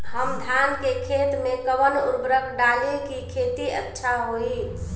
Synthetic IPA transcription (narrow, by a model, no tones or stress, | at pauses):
həmd̪ʱankekʰet̪mekəbənuɾbɾəkɖalekikʰet̪iə̰tːʃʰaɦoi